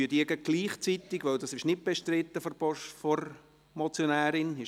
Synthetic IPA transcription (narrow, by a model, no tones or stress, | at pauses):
yətiəɡəɡ̥liːχt͡sit̪ɪɡʋœwd̪ɑsɪʃnɪt̚b̥ɛʃtɾɪt̪ːəfɔbɔʃfɔɾ | mɔt͡sjonæːɾɪnɪ